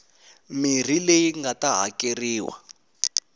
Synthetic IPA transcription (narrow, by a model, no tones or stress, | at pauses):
mir̤ilejiŋɡataɦa̰keriːwa̰